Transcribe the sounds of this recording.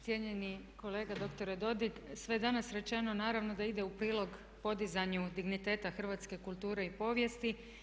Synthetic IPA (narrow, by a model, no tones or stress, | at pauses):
sjeɲe̞ni | ko̞le̞ːɡad̪o̞kt̪o̞ɾed̪o̞d̪iksʋe̞jed̪anasɾe̞t͡ʃe̞no̞naːɾaʋno̞d̪aid̪e̞upɾiːlˠo̞ɡ | po̞d̪izaɲud̪iɡnit̪e̞ːt̪axr̩ʋat̪ske̞kulˠt̪uːɾe̞ipo̞ːʋje̞st̪i